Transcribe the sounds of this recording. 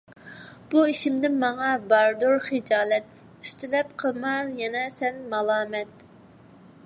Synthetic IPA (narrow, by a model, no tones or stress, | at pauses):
b̥uiʃimd̪ɪnmɑŋɑbɑɾd̪uɾχɨd͡ʒɑːlɛt̪ | yst̪ɪlɛpqʰəlˠmɑljɛnɛsɛnmɑlˠɑːmɛt̪